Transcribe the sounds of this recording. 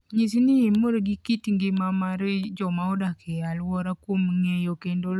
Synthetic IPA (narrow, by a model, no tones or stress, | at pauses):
ɲis̬iniimoɾɡikitiŋɡimamaɾed͡ʒɔmaodakealwɔɾakomŋejokendol